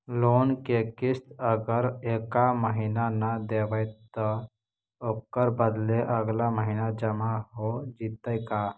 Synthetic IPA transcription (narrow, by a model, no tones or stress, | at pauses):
loːnkekɪst̪əɡəɾeːkaməɦiːnanad̪eːʋəjt̪ə | oːkːəɾbəd̪leʔəɡlaməɦiːnad͡ʒəmaɦod͡ʒit̪əjkaː